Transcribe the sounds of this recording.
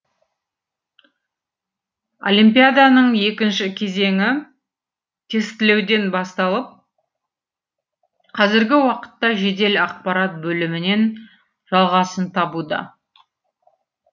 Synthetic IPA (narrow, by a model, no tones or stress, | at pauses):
o̞̰limpijad̪anəɴje̞kʲɪnʃɪkʲʰe̞ze̞ŋʲɪ | t̪ʰe̞st̪ɪle̞wd̪e̞nbɑst̪ɑlˠəp̚ | qʰɑzɪɾɡʲɪwɑqə̥t̪ːɑʒe̞d̪e̞lɑq̚pɑɾat̪̚bɵlɪmɪne̞n | ʒ̥ɑlˠʁɑsənt̪ʰɑbud̪ɑ̰